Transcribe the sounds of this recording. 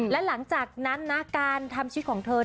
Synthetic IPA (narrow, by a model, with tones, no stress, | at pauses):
lɛ˦˥la˩˦ŋt͡ɕaː˨˩k̚na˦˥nːa˦˥kaː˧nt̪ʰa˧mt͡ɕʰi˧˦˥t̪̚kʰːŋt̪ʰɤː˧